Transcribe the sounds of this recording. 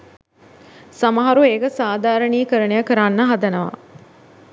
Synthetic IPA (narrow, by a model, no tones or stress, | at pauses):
samɐɦaɾueːɡəsaːd̪aːɾəniːkəɾənejəkəɾanːəɦad̪ənəʋa̰